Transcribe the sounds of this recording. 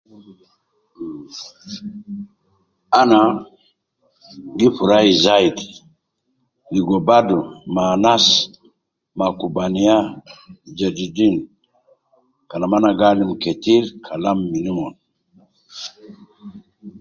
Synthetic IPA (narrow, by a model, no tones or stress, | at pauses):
ana | ɡifuɾaizaid | liɡɔbadumanas | makubanija | d͡ʒed͡ʒidin | kanamanaɡalimketiɾkʰalamːinimɔn